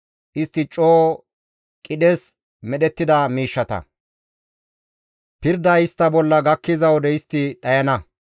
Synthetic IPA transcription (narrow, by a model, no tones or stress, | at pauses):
ʔɪst̪ːɪt͡ʃʼoː | kʼɪɗɛs | mɛɗɛt̪ːɪd̪ɐmiːʃːɐt̪ɐ̰ | pɪɾd̪ɐɪst̪ːɐbɔlːɐɡɐkːɪzɐwd̪ɛɪst̪ːɪɗɐjɐnɐ